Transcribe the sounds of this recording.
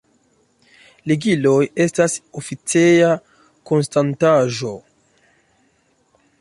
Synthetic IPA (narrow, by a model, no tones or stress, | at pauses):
liɡilo̞je̞stasofit͡seja | ko̞nstantaʒo̞